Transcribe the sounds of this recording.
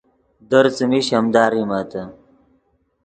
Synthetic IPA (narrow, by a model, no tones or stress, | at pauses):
d̪ɐɾt͡smiɕɐmd̪aːɾimaːt̪ɐ